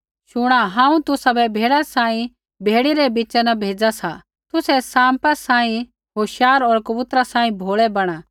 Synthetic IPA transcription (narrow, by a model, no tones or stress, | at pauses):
ʃʊɽ̃aɦãːũt̪ʊsabɛbʱeːɽasãːĩ | bʱeːɽiɾɛbit͡ʃɛnɐbʱeːd͡zasa | t̪ʊsɛsãːmpasãːĩ | ɦoːʃjaːɾɔːɾkɐbʊt̪ɾasãːĩbʱoːɭɛbɐɽ̃aː